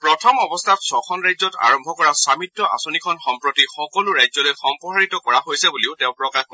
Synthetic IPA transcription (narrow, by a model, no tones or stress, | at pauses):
pɹɔtʰɔmɔbɔstʰatsɔxʰɔnɹajzɔta̰ɹɔmbʱɔkɔɹasamitːɔʔa̰sonikʰɔnxɔmpɹotixɔkɔlʊɹajzɔlojxɔmpɔɦaɹitɔkɔɹaɦojsɛbuliʊtɛʊ̃pɹɔkax